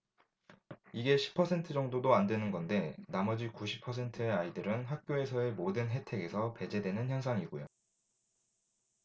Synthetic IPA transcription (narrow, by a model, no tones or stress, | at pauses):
iɡe̞ɕʰi̥pʰːʌsʰe̞ntʰɯd͡ʑʌŋdodoandwenɯnɡʌnde̞namʌd͡ʑikuɕʰi̥pʰʌs̬ʰe̞ntʰɯe̞aidɯɾɯnɦak̚k͈joe̞sʰʌe̞modɯnɦe̞tʰe̞ɡe̞sʰʌpe̞d͡ʑe̞dwe̞nɯnçjʌnsʰaŋiɡojo